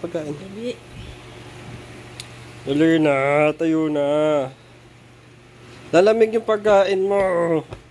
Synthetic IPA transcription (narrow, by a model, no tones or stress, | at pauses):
pɐɡ̚kaːʔɪn | ʊlɛnat̪ɐjuːna | l̥alɐmɪŋjʊŋpɐɡ̚kːaːʔɪnmo